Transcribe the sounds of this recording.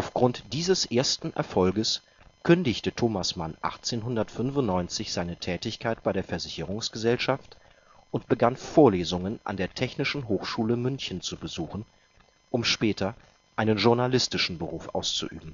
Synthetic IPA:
ʔaʊfɡ̥ʁʊntd̥iːzəsʔeːɐstn̩ʔɛ̰ɐfɔlɡəs | kʰʏndɪçtətʰoːmasmanʔa̰χt͡seːnɦʊndɐtfʏnfʊntnɔʏnt͡sɪçz̥aɪnətʰɛːtɪçkʰaɪt̚b̥aɪɾeːɐfɛɐzɪçəʁʊŋsɡ̥əzɛlʃaft | ʔʊntb̥əɡanfoːɐleːzʊŋənʔa̰ndeːɐtʰɛçnɪʃn̩ɦoːxʃuːləmʏnçən̩t͡subəzuːχn̩ | ʔʊmʃpɛːtʰɐ | ʔaɪnənʒʊɐnalɪstɪʃn̩bəʁuːfʔa̰ʊst͡sṵʔy̰ːbm̩

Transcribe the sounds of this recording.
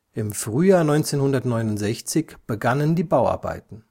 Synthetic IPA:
ʔɪmfʁ̥yːjaːɐnɔʏnt͡seːnhʊndɐtnɔʏnʊntz̥ɛçt͡sɪçb̥əɡanəndiːbaʊa̰ɐba̰ɪtn̩

